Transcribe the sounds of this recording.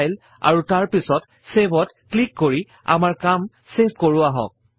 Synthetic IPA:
jl | a̰ɹutaɹpisɔt | sebɔt | klikːoɹi | a̰maɹkam | sep̚ʰkoɹʊaɦɔ̰k̚

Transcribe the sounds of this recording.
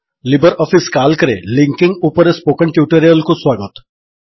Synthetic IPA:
libəɾɔːfiskaːlkəɾḛlɪ̃ŋkɪ̃ŋɡupəɾespoːkə̃ɳʈjuːʈeɾijəlkoswaːɡət̪

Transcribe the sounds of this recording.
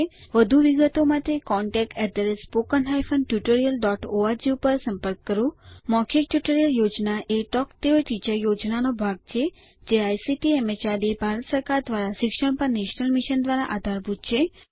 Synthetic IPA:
ʋəd̪ʱuʋiɡət̪omãt̪ʰekɔɳʈɛk̚ʈɛd̪əɾespokənɦajfənʈjuʈoɾijəlɖɔʈoaɾd͡ʒeupəɾsə̃mpəɾkːəɾũmɔkʰik̚ʈjuʈəɾijəljod͡ʒnaʔeʈɔkt̪eoʈid͡ʒəɾjod͡ʒnanobʱaɡ̚t͡ʃʰe | d͡ʒeajsiʈiɛmet͡ʃaɾibʱaɾət̪səɾkaɾd̪ʋaɾaʃɪkʃəɳ̃pəɾneʃnəlmiʃənd̪ʋaɾa̰ʔad̪ʱaɾbʱud̪t͡ʃʰe

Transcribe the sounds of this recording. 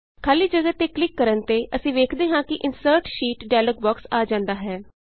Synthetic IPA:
kʰaːliːd͡ʒəɡət̪eːklɪkːəɾənt̪eːʔəsĩːʋeːkʰd̪eːɦãːkɪʔɪnsəɾʈʃiːʈɖɛːləɡ̚bɔːksaːd͡ʒãːnd̪aːɦɛː

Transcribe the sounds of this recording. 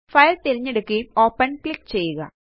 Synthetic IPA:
fɐjlt̪iɾiɲːeɽukʲːio̞ːpːɐnkɭikːt͡ɕe̞jːuɣɐ̰

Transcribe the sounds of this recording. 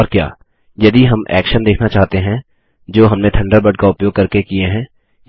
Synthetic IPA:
ɔːɾkja̰ː | jɐd̪iɦɐmʔɛ̰ːkʃənd̪eːkʰnat͡ʃaːɦt̪eɦɛ̃ | d͡ʒoːɦɐmnẽt̪ʰɐ̃ɳɖəɾbɐɖ̚kaʊpjoːɡ̚kɐɾkekieɦɛ̃ː

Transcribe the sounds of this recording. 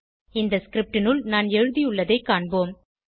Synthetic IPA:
ɪnd̪ɐskɪɾɪp̚ʈɪnɯɭnaːnɛɻɯðijʊɭːɐðeɪkaːɳboːm

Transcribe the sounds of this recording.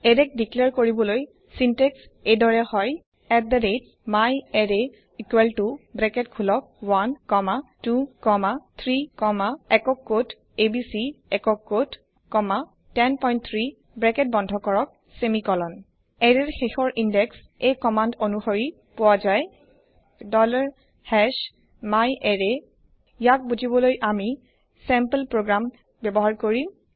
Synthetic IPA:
ɛɾɛk̚dikliɛɹkoɹibɔloj | sintɛksejdɔɹɛhɔj | ɛk̚d̪ɛdet̚ | majɛɹe | ikwɛltubɹɛkɛtkʰulɔk̚wanːɔmatukɔmat̪ʰɹikɔmaɛkɔkːot | ebisiɛkɔkːot | kɔma | tɛnpɔjnt̚t̪ʰɹi | bɹɛket̚bɔndʱɔkɔɹɔk̚ | semikɔlɔn | ɛɹɛɹxexɔɹʔindɛks | ejkɔmandonuxoɹi | powazaj | dɔlaɹ | hɛʃ | majʔɛɹɛ | ijak̚buzibɔlojʔami | sɛmpəlpɹoɡɹam | bjɛbɔɦaɹkoɹi

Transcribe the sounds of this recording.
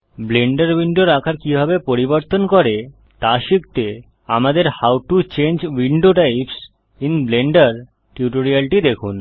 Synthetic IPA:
bleɳɖaɾwiɳɖoɾakʰaɾkibʱabepoɾiboɾt̪onkɔɾe | t̪aʃik̚t̪e | amad̪eɾhawʈut͡ɕend͡ʑwiɳɖoʈajps | inbleɳɖaɾ | ʈjuʈoɾialʈid̪ekʰun

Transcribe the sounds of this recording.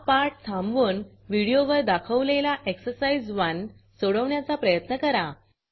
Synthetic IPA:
paɾʈsʰãmbʋuːn | ʋiɽijoʋəɾd̪akʰəʋlelaʔeksəɾsaid͡zʋan | soɽəʋɳjat͡sapɾəjət̪nəkəɾa

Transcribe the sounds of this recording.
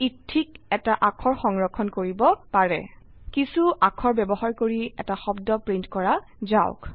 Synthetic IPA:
itʰːikɛtaʔakʰɔɹxɔŋɹɔkʰːɔnkoɹibɔpaɹɛ̰ | kisuʔakʰɔɹbɛbɔɦaɹkoɹiɛ̰taxɔbdɔpɹintkɔɹa | zaʊk

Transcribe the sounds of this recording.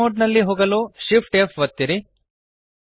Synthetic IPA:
oːɖnɐlːiɦoːɡɐloːʃipʰʈefʋɐt̪ːiɾi

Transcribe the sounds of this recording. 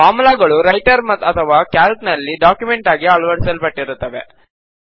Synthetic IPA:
paːmulaɡɐɭuɾɐjʈɐɾmɐt̪ːɐt̪ʰɐʋaːkaːlknɐlːiɖaːkjumeɳʈaːɡiaːɭʋɐɽisɐlpɐʈːiɾut̪ːɐʋe̞̰

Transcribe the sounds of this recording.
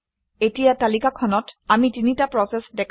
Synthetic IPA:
etijatalikakʰɔnɔtamitinitapɹɔsɛsdɛkʰ

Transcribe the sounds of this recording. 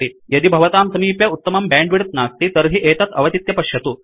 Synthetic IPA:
ijɐd̪ibʱɐʋɐt̪aːmsɐmiːpjɐut̪ːɐmɐmbɛːɳɖʋiɽɐt̪naːst̪it̪ɐɾɦiʔeːt̪ɐt̪ʰɐʋɐt̪it̪jɐpɐɕjɐt̪u

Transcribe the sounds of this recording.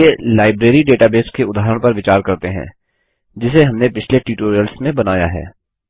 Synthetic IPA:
elaːɪbɾeːɾiɖeːʈaːbeːskeʊd̪aːɦəɾəɽ̃pɐɾʋɪt͡ʃaːɾkɐɾt̪eɦɛ̰̃ː | d͡ʒɪs̬eɦɐmnepɪt͡ʃʰleʈiːʈoːɾijəlsmẽbɐnaːjaɦɛ̰ː

